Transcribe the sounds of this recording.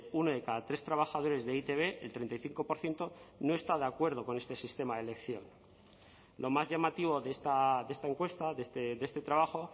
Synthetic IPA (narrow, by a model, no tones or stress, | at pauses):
unoðe̞kaðat̪ɾe̞st̪ɾaβ̞axaðo̞ɾe̞zðeit̪e̞β̞e̞ʔelt̪ɾe̞nt̪ajθiŋko̞po̞ɾθje̞nt̪o̞no̞est̪aðeakwe̞ɾð̞o̞ko̞ne̞st̪e̞sist̪e̞maðele̞kθjo̞̰n | lʔo̞mazʝamat̪iβo̞ðest̪aðeest̪aeŋkwest̪aðest̪ed̪e̞st̪e̞t̪ɾaβ̞axo̞